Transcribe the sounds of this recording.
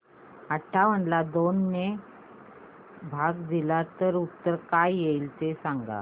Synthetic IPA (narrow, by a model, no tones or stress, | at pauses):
aʈʰːaʋ̤əɳlad̪onːe | bʱaɡd̪ilat̪əɾut̪ːəɾkajjeilt̪esãŋɡa̰